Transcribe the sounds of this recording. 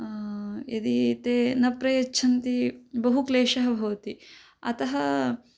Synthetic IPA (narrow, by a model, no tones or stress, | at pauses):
ed̪it̪eːnɐpɾɐjɐt͡ʃːt͡ʃʰɐnt̪ibɐɦukleːʃɐɦɐbʱɐʋɐt̪i | ɐ̰t̪ɐɦɐ